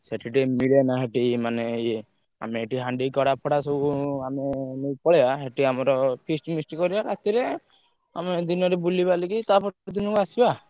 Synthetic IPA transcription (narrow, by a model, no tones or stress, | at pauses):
seʈʰiʈimiɭenaɦeʈimane | a̰meeʈiɦaɳɖikɔɽapʰɔɽasɔbuamenepɔɭebaɦeʈiamɔɾɔpʰisʈmisʈkɔɾibaɾat̪iɾe | a̰med̪inɔɾebulibalikit̪apʰɔd̪inɔkuasiba